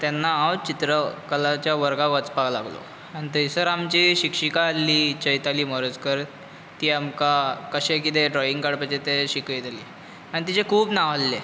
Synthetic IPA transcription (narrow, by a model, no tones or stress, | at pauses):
t̪janːaãwt͡ɕit̪ɾəkəlat͡ɕjaʋəɾɡaʋət͡spala̰ɡlo̰ | añit̪əisəɾamt͡ɕiːɕikʂikaːlːiːt͡ɕəjt̪aliːməɾəd͡zkəɾ | t̪iːamkakəɕekit̪eɖɾɔiŋkaɽpət͡ɕet̪eɕikəjt̪aliː | aɽ̃it̪̬it͡ɕekʰuːbnaʋ̤alːe